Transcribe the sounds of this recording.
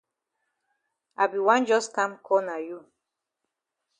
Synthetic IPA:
a˨bi˨wã˦nd͡ʒɔ˦skã˦mkʰɔ˦na˨ju˦

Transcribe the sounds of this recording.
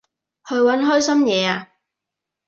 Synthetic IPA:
hɵ˨˧ɥwɐ˨˥nɦɔː˥jsɐ˥mjɛː˨˧aː˧

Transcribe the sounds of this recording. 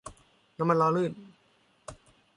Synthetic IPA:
na˧˥mːa˧nlɔː˧lɯː˥˩m̚

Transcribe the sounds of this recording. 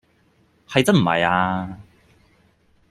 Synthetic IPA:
hɐ˨jt͡sɐ˥m̩˨˩hɐ̰˨jaː˧

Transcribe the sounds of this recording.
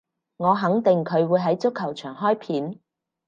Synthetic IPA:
ŋɔː˨˧ɦɐ˨˥ŋt̪ɪ˨ŋkʰɵ˨˧ɥwuː˨˧jɦɐ˨˥jt͡sʊ˥kʰːɐ˨˩wt͡ʃʰœː˨˩ŋɦɔː˥jpʰiː˨˥n

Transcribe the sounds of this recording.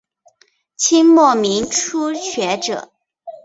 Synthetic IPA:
t͡ɕʰi˥ŋmɔ˥˩mi˧˥ŋʈ͡ʂʰu˥ɕɥɛ˧˥ʈ͡ʂɤ̰˨˩˦

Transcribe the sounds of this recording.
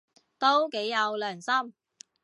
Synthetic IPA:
t̪o˥wke˨˥jːɐ˨˧wlœː˨˩ŋsɐ˥m

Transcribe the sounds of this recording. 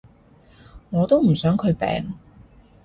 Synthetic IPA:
ŋɔː˨˧t̪o˥wm̩˨˩sœː˨˥ŋkʰɵ˨˧ɥpɛ̰ː˨ŋ

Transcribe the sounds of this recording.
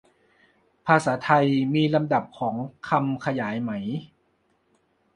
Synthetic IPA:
pʰaː˧saː˩˦t̪ʰa˧jmiː˧la˧mda˨˩p̚kʰɔː˩˦ŋkʰa˧mkʰa˧jaː˩˦jma˩˦j

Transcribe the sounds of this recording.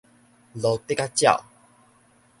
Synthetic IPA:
lɔ˨t̪e˦ka˦t͡ɕja̰˥˨w

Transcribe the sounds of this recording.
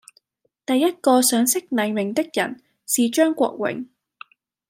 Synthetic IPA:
t̪ɐ˨jːɐ˥t̚kɔː˧sœː˨˥ŋsɪ˥k̚nɐ˨˩jmɪ˨˩ŋt̪ɪ˥k̚jɐ̰˨˩n | siː˨t͡ʃœː˥ŋkʷɔ̰ː˧k̚wɪ̰˨˩ŋ

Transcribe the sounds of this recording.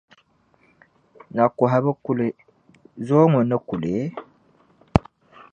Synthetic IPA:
na˨ko˨ɦa˨bə˦ku˦le˨ | zo˦ŋu˨nə˦ku˨le˨˦

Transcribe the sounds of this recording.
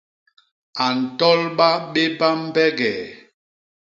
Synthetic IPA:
a˨n̩˨tɔ˦lɓa˦ɓe˦ba˦m̩˦bɛ˦ɡɛ˨

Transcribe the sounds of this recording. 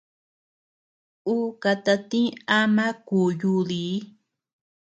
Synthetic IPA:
u˦ka˧t̪a˧t̪ĩ˦a˦mã˦kuː˨ju˧˦ði˨˦

